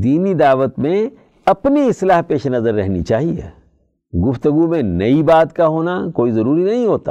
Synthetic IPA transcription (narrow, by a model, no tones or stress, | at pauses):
d̪iːnid̪aːʋət̪mẽ | ɐpniɪslaːɦpeːʃnɐzəɾːɛɦnḭt͡ʃaːɦiḛ | ɡʊft̪əɡumẽnɐibaːt̪kaɦoːnakoːizɐɾuːɾinɐɦĩɦoːt̪a̰ː